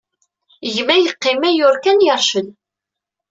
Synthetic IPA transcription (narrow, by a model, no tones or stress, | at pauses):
ʝmæjəqːɪmæjʊɾkænjɑɾˤʃən